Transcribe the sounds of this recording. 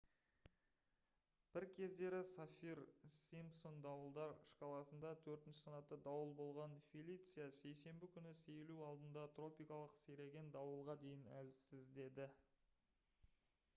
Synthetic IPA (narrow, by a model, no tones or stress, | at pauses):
b̥ɪɾkʲʰe̞zd̪e̞ɾɪsafiɾsimpso̞nd̪ɑwəlˠd̪ɑɾɪʃqʰɑlˠɑsənd̪ɑt̪ʰɵɾt̪ɪnʃɪ̥sɑnɑt̪ːəd̪ɑwəlˠbo̞lˠʁɑnfʲilʲˠijt̪sɨjase̞jse̞mbɪkʲʰʏnɪse̞jluɑlˠd̪ənd̪ɑt̪ro̞pijkɑlˠəqseɾe̞ɡʲe̞nd̪ɑwəlˠʁɑd̪e̞jɪnæzsɪzd̪e̞d̪ɪ